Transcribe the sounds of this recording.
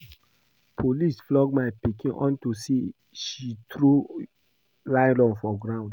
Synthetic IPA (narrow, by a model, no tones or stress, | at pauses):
pʰolisflɔɡmaɪpikĩnʔɔ̰̃ntusi | ʃitɾu | laɪ̃lɔ̃nfɔɡɹãʊ̃nd